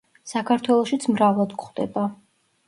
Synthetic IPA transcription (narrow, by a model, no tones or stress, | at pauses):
sakʰaɾt̪ʰwɛlˠɔʃit̪sʰmɾavlˠad̪kχd̪ɛ̰ba